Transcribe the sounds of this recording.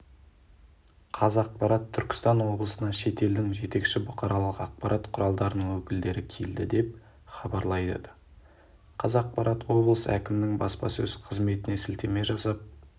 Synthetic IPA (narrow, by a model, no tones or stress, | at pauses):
qʰɑzɑq̚pɑɾɑt̪ʰːʏɾkʲɪ̥st̪ɑnwo̞blˠəsənɑʃe̞t̪e̞ld̪ɪŋʒe̞t̪e̞kʃɪbʊqʰɑɾɑlˠəqɑq̚pɑɾʔɑt̪qʰʊɾɑlˠd̪ɑɾənəŋwɵkʲɪld̪e̞ɾɪkʲʰe̞ld̪ɪd̪e̞p̚ | χɑbɑɾlˠɑjd̪ə̰ | qʰɑzɑq̚pɑɾɑt̪wo̞blˠəsə̰ækʲɪmɪnɪŋbɑ̰spɑ̰sɵzqʰəzme̞t̪ɪne̞sɪlt̪e̞me̞ʒɑsɑp̚